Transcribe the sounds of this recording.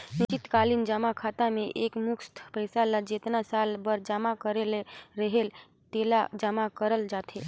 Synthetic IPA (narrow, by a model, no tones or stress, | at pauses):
nɪt͡ʃɪt̪kaːlind͡ʒəmakʰaːt̪amẽʔeːkmʊkst̪ʰpəɦɪsalad͡ʒet̪nasaːlbəɾd͡ʒamakəɾeleɾəɦel | t̪elad͡ʒəmakəɾəld͡ʒaːt̪e